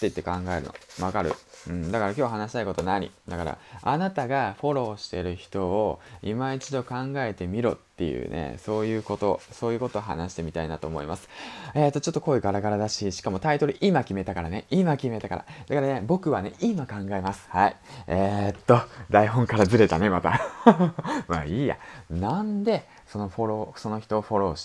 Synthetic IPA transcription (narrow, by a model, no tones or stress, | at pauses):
t̪ːe̞it̪ːe̞kãŋɡae̞ɾɯ̟no̰βakaɾɯ̟̰ɯ̟̃ɴd̪akaɾakʲo̞ːɦanaɕi̥t̪aikot̪o̞naɲ̟ḭd̪akaɾa̰anat̪aɡaɸo̞ɾo̞ːɕi̥t̪e̞ɾɯ̟çi̥t̪o̞oimait͡ɕid̪o̞kãŋɡae̞t̪e̞mʲiɾo̞̰t̪ːe̞̰jɯ̰ːnḛso̞ːjɯ̟ːko̞t̪o̞so̞ːjɯ̟ːko̞t̪oːɦa̰naɕi̥t̪e̞mʲit̪ainat̪o̞ːmo̞̰ḭma̰sɨ̥e̞ːt̪ːot͡ɕo̞t̪ːo̞ko̞ːiɡaɾaɡaɾad̪aɕiɕi̥kamo̞t̪ait̪o̞ɾɯ̟ʔimakʲime̞t̪akaɾane̞imakʲime̞t̪aka̰ɾa̰d̪̥akaɾane̞bo̞kɯ̟βane̞imakãŋɡae̞masɨ̥haḭet̪ːo̞d̪aiɦõ̞ŋkaɾazɨɾe̞t̪ane̞mat̪a̰ | maːiːja̰nãnd̪e̞ | so̞no̞ɸo̞ɾoːso̞no̞çi̥t̪o̞ːɸo̞ɾo̞ːɕt̪